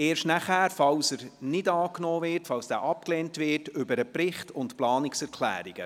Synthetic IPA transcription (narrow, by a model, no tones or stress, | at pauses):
eːɾʃtnæχæːɾfɑwsəɾnɪdɑːknoːvɪɾtfɑwsd̥æ̰ːʔɑp̚klɛːntvɪtʏbəɾəpɾɪχtʊntplɑːnɪksɛɾkʰlæ̰ːɾiɡ̥ə